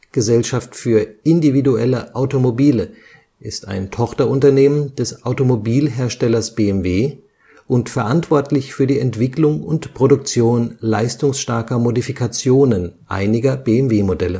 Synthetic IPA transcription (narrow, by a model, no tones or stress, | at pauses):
ɡ̥əzɛlʃaftfyːɐʔɪndividuɛləʔaʊtomobiːlə | ʔɪsta̰ɪntʰɔχtɐʊntɐneːmənd̥ɛsʔaʊtomobiːlɦeːɐʃtɛlɐsb̥eːɛmveː | ʔʊntfɛɐʔantv̥ɔɐtlɪçfyːɐdiːɛntv̥ɪklʊŋʊntpʁ̥odʊk̚t͡sjoːnlaɪstʊŋsʃtaɐkɐmodifikʰat͡sjoːnənʔa̰ɪnɪɡɐbeɛmveːmodɛlə